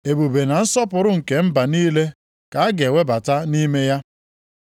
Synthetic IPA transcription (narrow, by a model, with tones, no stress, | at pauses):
e˨bu˨be˨na˨n̩˦sɔ˦pʊ˨ɾʊ˦ŋ̩˨ke˨m̩˦ba˨niː˦le˦ | ka˨a˦ɡe˨wʷe˦ba˨ta˦ni˦me˦ja˦